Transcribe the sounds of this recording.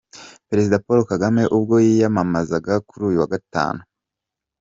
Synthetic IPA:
peɾe̞zidapo̞ɾokaɡame̞ʔubɡo̞jijamamazaɡakuɾuːjuwaɡata̰ːnu

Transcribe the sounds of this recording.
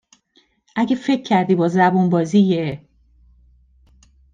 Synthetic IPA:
ʔæɟefe̞cʰːæɾd̪iːbɒːzæbunbɒːzije

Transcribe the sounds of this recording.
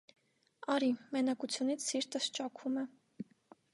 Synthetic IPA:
ɑɾimɛnɑkut͡sʰjunit͡sʰsiɾt̪əst͡ʃɑkʰumɛ

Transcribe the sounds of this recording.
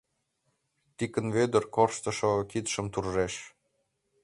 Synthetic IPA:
t̪ikə̆nvød̪ə̆rkorʃt̪ɤ̆ʃokit̪ʃə̆mt̪urʒeʃ

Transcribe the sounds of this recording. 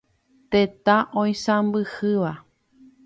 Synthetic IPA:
t̪et̪ãʔõj̃sãmbɨhɨʋa

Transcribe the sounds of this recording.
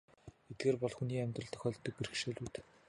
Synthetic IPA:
et̪̚ɡeːrpɔɮxuniːæmʲt̪rə̆ɬt̪ʰœ̆xœːɮt̪ːɞ̆k̚perɘxʃeɮʲuːt̪

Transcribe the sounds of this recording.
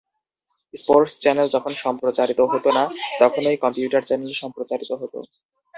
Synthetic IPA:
spoɾʈst͡ɕɛneld͡ʑɔkʰonʃɔmpɾot͡ɕaɾit̪oɦot̪onat̪ɔkʰonojkɔmpjuʈaɾt͡ɕɛneleʃɔmpɾot͡ɕaɾit̪oɦot̪o̰

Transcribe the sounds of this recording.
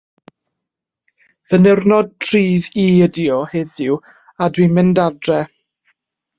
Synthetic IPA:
vənɛrnɔd̚tʰriːðiədiɔheðɪw | adwimɪndadrɛ

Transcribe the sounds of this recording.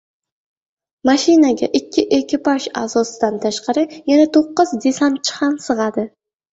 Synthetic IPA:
maʃɪnaɡʲa̰ʔɪkʲːɪʔekʲɪpʰaʃa̰zɒsɪd̪ant̪ʰaʃqʰɑɾɪjanat̪ʰoqːɨzd̪e̞sant̪̚t͡ʃʰɨ̥χɑnsɨʁɑd̪ɪ

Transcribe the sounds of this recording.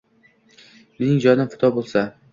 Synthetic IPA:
nɪɪŋd͡ʒɒnɪfʊt̪ʰɒbolˠsa

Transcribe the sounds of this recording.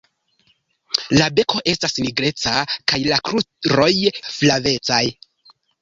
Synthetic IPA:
labe̞ko̞ʔe̞stasniɡɾe̞t͡sakajlakɾuɾo̞jflave̞t͡saj

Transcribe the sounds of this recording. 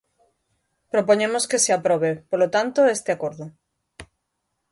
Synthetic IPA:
pɾopoɲemoskeseapɾoβepolot̪ant̪oest̪eakoɾðo

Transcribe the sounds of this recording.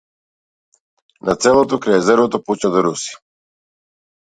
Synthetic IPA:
nʔat̪sɛlˠɔt̪ɔkɾaɛzɛɾvɔt̪ɔput͡ʃad̪ɔɾusi̥

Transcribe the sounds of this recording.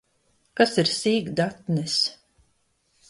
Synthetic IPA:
kasiɾsiːɡd̪at̪nɛs

